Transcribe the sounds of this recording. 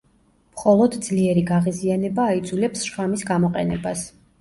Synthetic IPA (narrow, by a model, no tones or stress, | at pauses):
mχɔlˠɔd̪d̪z̥liɛɾiɡaʁizianɛbaːid̪zulɛpsʃamisɡamɔqʼɛnɛbas